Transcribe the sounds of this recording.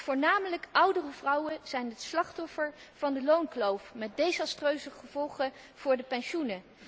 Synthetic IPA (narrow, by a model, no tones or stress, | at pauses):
vʊːɹnaːmələkʌwdərəvrʌwənz̥ɛjnɦətslɑχtɔfəɹv̥ɑndəlownklowfmɛt̚dejzɑstrøɥzəχəv̥ɔlˠχə | v̥ʊːɹdəpɛnʃunə